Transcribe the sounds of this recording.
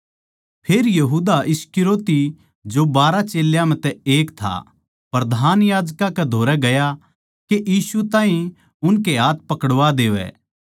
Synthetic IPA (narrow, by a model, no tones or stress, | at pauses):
pʰeːɾjɐɦuːd̪aʔɪskɪɾoːt̪i | d͡ʒobaːɾat͡ʃeːljãmɛ̃t̪ɛeːkt̪ʰa̰ | pɐɾd̪ʱaːnjaːd͡ʒkãkɛd̪ʱoːɾɛɡɐja | keʔjiːsut̪ãːɦĩ | ʊnk̬eɦaːt̪̚ʰpɐkəɽʋad̪eːʋɛ̰ː